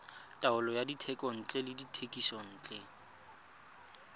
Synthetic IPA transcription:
tʼaʊlɔjaditʰɛkʼɔn̩t͡ɬʼɛlɪditʰekʼisɔn̩ːt͡ɬʼɛ

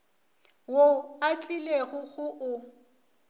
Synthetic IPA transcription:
woat͡ɬʼileɣʊɣʊʔʊ

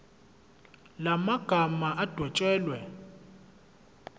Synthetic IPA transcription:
lamaɡ̥ʱamaʔad̥ʱwɛt͡ʃʼɛːlwɛ

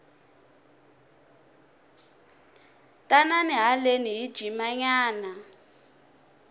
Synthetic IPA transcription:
tʼananiɦaleniid̥ʒ̥ʱimaɲaːna

